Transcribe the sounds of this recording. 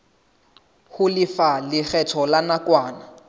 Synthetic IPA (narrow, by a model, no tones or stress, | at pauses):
hʊlɪfalɪk͡xʰɛtʰɔlanakwaːna